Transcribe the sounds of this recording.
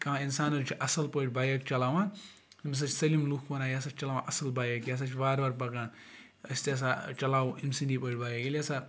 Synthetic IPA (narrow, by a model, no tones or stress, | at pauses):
kãinsaːnɐɾut͡ʃʰiʔɐsɐlpɐʈʲbaːjɐk̚t͡ʃɐlaːʋã | imis̬ɐt͡ʃʰsɐlimlukʰbɐnaːjaːsɐt͡ʃʰt͡ʃɐlaːʋãʔɐsɐlbaːjɐkjaːs̬at͡ʃʰibaːɾbɐɾpɐkãːn | ɐsʲt̪es̬at͡ʃɐlaːwũʔimsindipəʈʲbaːjekilʲasa